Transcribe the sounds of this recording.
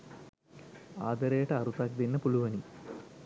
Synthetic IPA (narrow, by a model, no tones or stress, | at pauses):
a̰ːd̪ɐɾeːʈɐːɾut̪aːk̚d̪inːɐpuluʋɐni